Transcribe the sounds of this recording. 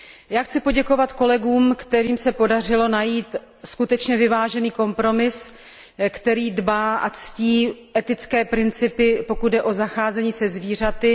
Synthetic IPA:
jaːxt͡sɪpo̞ɟɛko̞vat̪ko̞lɛɡuːmkt̪ɛɾiːmsɛpo̞dar̝ɪlo̞najiːt̪ | skut̪ɛt͡ʃɲɛvɪvaːʒɛniːko̞mpɾo̞mɪs | kt̪ɛɾiːdbaːʔa̰t͡sciːʔɛt̪ɪt͡skɛːpɾɪnt͡sɪpɪpo̞kud̪̚dɛʔo̞zaxaːzɛɲiːsɛzviːr̝at̪ɪ

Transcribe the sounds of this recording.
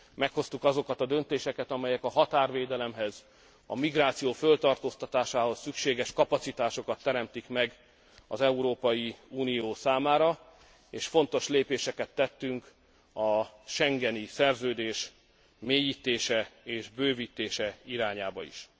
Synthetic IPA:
mɛkho̞st̪ukɒzo̞kɒt̪ɒd̪ø̞nt̪eːʃɛkɛt̪ɒmɛjɛkɒɦɒt̪aːrveːd̪ɛlɛmɦɛz | ɒ̰miɡraːt̪sijoːfølt̪ɒrt̪oːst̪ɒt̪aːʃaːɦo̞sːykʃeːɡɛʃkɒpɒt̪sit̪aːʃo̞kɒt̪ːɛɾɛmt̪ikmɛɡ | ɒzɛuɾoːpɒjiuːnijoːsaːmaːɾɒ | eːʃfo̞nt̪o̞ʃleːpeːʃɛkɛt̪ːɛt̪ːyŋk | ɒʃɛŋɡɛnisɛrzøːd̪eːʃ | meːjiːt̪eːʃɛeːʒbøːvit̪eːʃɛiɾaːɲaːbɒḭʃ

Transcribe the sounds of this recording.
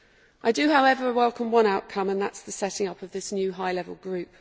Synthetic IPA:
ʔaɪdəhaʊɛvəɹəwɛlˠkʰə̃mwʌ̃ñaʊʔkʰʌ̃mə̃nðatsðəsɛtɪ̃ŋʌpəvðɪsnjʉːɦaɪlɛvə̰lˠɡɹʉˑp̚

